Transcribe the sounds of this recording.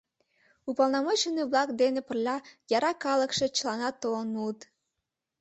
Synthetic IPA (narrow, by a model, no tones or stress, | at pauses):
upɑlˠnɑmot͡ɕəneβlɑkd̪enepərlʲɑjɑɾɑkɑləkʃet͡ɕəlɑnɑt̪ːonut̪